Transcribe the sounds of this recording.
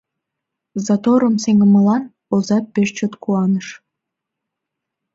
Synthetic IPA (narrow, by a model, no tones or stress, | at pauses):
zɑt̪oɾəmseŋɡəməlɑn | ozɑpːeʃt͡ɕot̪kuɑnəʃ